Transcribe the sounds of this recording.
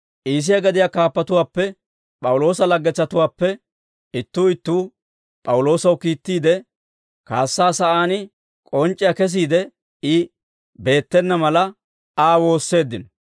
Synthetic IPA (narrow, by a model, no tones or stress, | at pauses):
ʔiːs̬ɪjɐɡɐd̪ɪjaːkaːpːɐt̪ʊwaːpːɛ | pʼɐwlo̞ːsɐlɐɡːɛt͡sːɐt̪ʊwaːpːɛ | ɪt̪ːuːɪt̪ːuː | pʼɐwʊlo̞ːsɐwkiːt̪ːiːd̪ɛ | kaːsːaːsɐʔaːnɪ | kʼɔnt͡ʃʼːɪjakɛs̬iːd̪ɛ | ɪ | be̞ːt̪ːɛnːɐmɐlɐ | aːwo̞ːsːe̞ːd̪ːɪnɔ